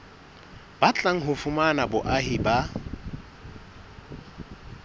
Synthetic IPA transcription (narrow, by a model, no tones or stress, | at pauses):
b̥at͡ɬʼaŋ̩ɦʊfʊmanabʊʔaɦɪba